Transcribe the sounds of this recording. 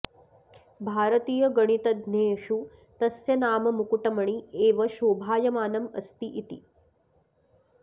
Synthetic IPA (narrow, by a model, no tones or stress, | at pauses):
bʱaːɾɐt̪iːjɐɡɐɳ̃it̪ɐd̪neːʃu | t̪ɐsjɐnaːmɐmukuʈɐmɐɳ̃ieːʋɐʃoːbʱaːjɐmaːnɐmɐ̰st̪iʔit̪ḭ